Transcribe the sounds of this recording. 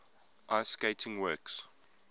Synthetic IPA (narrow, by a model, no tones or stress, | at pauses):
ʔaskeɪtʰɪ̃ŋwɜːks